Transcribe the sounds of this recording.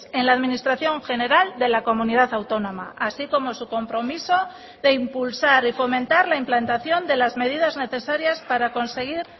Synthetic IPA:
e̞nlaːðminist̪ɾaθjo̞ŋxe̞ne̞ɾald̪e̞lako̞mũniðaθawt̪o̞nõ̞ma̰ʔasiko̞mo̞suko̞mpɾo̞miso̞ | ðe̞impulsaɾifo̞mẽ̞nt̪aɾlaimplant̪aθjo̞nd̪e̞lazme̞ðiðazne̞θe̞saɾjaspaɾako̞nse̞ɣ̞iɾ

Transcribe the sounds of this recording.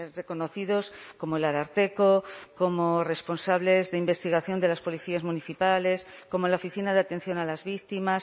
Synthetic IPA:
re̞ko̞no̞θiðosko̞moelaɾaɾt̪e̞koko̞more̞spo̞nsaβ̞le̞zðe̞imbe̞st̪iɣ̞aθjo̞nd̪elaspo̞liθiazmuniθipale̞sko̞molaofiθinaðeat̪e̞n̟θjo̞nalazβik̚t̪imas

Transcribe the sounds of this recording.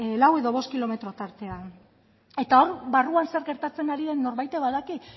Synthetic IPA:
lawe̞ðo̞β̞o̞skilo̞me̞t̪ɾo̞t̪aɾt̪e̞a | e̞t̪ao̞ɾbaruanse̞ɾɣe̞ɾt̪at͡se̞naɾiðe̞nːo̞ɾβajt̪e̞βaðaki

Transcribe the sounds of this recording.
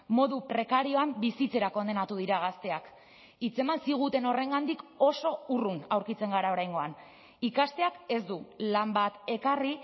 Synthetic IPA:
mo̞ðupɾe̞kaɾio̞ambisit͡se̞ɾako̞nd̪e̞nat̪uðiɾaɣ̞ast̪e̞ak | it͡se̞mansiɣ̞ut̪e̞no̞re̞ŋɡand̪iko̞so̞urunawɾkit͡se̞ŋɡaɾao̞ɾajŋɡo̞an | ikast̪e̞ake̞zd̪ulambat̪e̞kari

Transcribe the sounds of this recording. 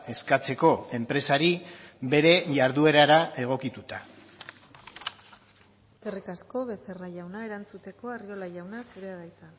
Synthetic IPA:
e̞skat͡se̞ko̞e̞mpɾe̞saɾibe̞ɾe̞ʝaɾðue̞ɾaɾae̞ɣ̞o̞kit̪ut̪a | eske̞rikasko̞βe̞seraʝawnae̞ɾant͡sut̪e̞ko̞ario̞lajawnasuɾeaðajt̪a

